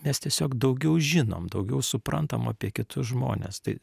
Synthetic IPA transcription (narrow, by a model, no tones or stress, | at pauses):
mʲɛst̪ʲiɛsʲoːkd̪ɐʊɡʲɛʊʒʲɪno̰ːmd̪ɐʊɡʲɛʊsʊpɾɐnt̪ɐmɐːpʲiɛkʲɪt̪ʊsʒmo̰ːnʲḛːst̪ɐɪ